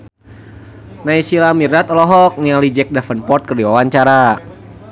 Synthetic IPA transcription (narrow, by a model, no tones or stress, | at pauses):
naisilamirnat̪ɔlɔɦɔk̚nialid͡ʒɛk̚dafənpɔrt̪̚kərdiwawaɲt͡ʃaɾa